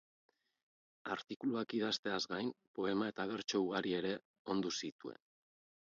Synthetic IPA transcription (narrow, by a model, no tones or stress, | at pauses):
a̰ɾt̪ikuluakiðast̪e̞azɡajmpo̞e̞mae̞t̪aβ̞e̞ɾt͡ʃo̞uɣaɾie̞ɾe̞ | o̞nd̪usit̪ue̞̰n